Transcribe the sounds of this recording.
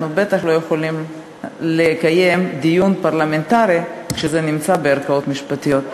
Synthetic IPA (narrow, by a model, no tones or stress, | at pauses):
nubet̪aχlojeχolim | lekajemd̪ijunpaʁlament̪aɾikʃezenimt͡sabeaɾkao̞t̪miʃpat̪ijo̞t̪̚